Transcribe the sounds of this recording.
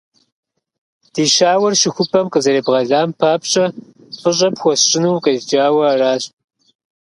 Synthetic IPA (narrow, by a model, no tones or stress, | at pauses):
d̥iːʃaːwɐrʃɪxʷʊpʰɐmqʼəzɐɾeːbʁɐɮaːmpʰaːpɕʼɐ | fʼɨɕʼɐpxʷɔsɕʼɪnuwqʼɐʒd͡ʒaːwɐaraːɕʼ